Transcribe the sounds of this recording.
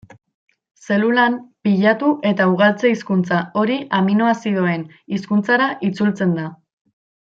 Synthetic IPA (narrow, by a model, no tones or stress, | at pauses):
se̞lulampiʎat̪uʔe̞t̪auɣ̞alt͡se̞iskunt͡sao̞ɾiʔaminoasiðue̞n | iskunt͡saɾaʔit͡sult͡se̞nd̪a